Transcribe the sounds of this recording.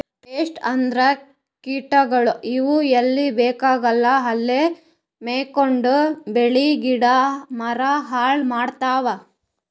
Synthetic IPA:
ʈeːsʈɐnd̪ɾɐ | kiːʈɐɡɐɭuʔiʋuelːibeːkaːɡɐlːɐɦɐlːe | meːkoɳɖubeɭiɡiɽɐmɐɾɐɦaːɭmaːɖt̪aːʋɐ

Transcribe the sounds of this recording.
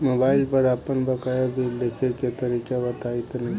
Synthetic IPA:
moːbaːɪlpəɾaːpənbəkajabʱild̪ekʰeket̪əɾiːkaʋət̪ait̪nɐɦi

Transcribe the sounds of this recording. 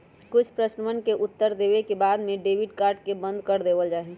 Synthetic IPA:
kʊt͡ʃʰpɾəsnəmənkeʔʊt̪ːəɾd̪ebekebaːd̪meɖeːʋiɖkaːɾɖkebə̃nd̪ʱkəɾd̪eːbəld͡ʒaːɦi

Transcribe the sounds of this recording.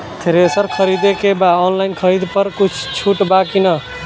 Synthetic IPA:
t̪ʰeɾesəɾkʰəɾid̪ekebaɔnlaɪnkʰəɾid̪pəɾkut͡ʃʰt͡ʃʰuʈbakinə

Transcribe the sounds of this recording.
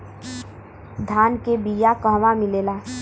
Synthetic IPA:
d̪ʱaːnkebijakəɦʋamɪleːlaː

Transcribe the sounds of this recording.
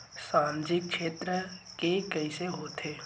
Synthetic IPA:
saːmd͡ʒɪkʃeːt̪ɾəkekəɪseɦoːt̪ʰeː

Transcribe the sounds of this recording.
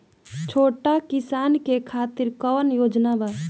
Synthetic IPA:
t͡ʃʰoːʈakɪsaːnkekʰaːt̪iɾkəʋənjoːd͡ʒnaba

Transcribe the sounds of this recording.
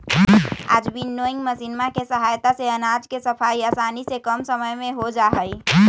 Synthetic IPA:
a̰d͡ʒbʱinːoiŋɡməsinmakesəɦajt̪aseənad͡ʒkesəpʰaiasanisekəmsəməjmeɦod͡ʒaɦəj

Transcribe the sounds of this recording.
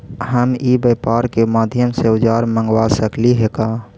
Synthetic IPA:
ɦəmibəpaːɾkemaːd̪ʱjəmseʊd͡ʒaːɾmə̃ŋɡwasəkliɦekaː

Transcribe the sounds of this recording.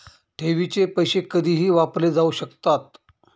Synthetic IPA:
ʈʰeʋit͡ɕepəjɕekəd̪ʱiːɦiːʋapled͡zauɕəkt̪at̪̚

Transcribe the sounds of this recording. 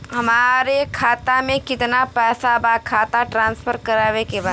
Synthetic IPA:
ɦɐmaːɾekʰaːt̪amẽkɪt̪napɛːsabakʰaːt̪aʈɾãːnspʰəɾkɐɾaːʋekebaː

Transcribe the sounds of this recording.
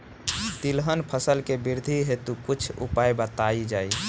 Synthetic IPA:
t̪ilɦənpʰəsəlkebiɾd̪ʱiɦet̪ukut͡ʃʰṵpajbət̪aid͡ʒaːi

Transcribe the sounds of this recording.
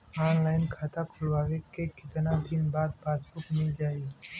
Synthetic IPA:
aːnlaːɪnkʰaːt̪akʰʊlwaːʋekekɪt̪nad̪ɪnbaːd̪̚baːspʊkmɪld͡ʒaːi

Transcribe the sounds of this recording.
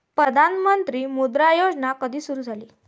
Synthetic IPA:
pɾəd̪ʱanmənt̪ɾiːmud̪ɾajod͡znakəd̪ʱiːsuɾuːd͡zʱaliː

